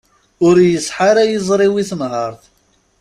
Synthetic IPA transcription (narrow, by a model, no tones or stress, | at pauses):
ʊɾjəsˤħaɾajəzˤɾˤiwiθəmɦəɾˤθ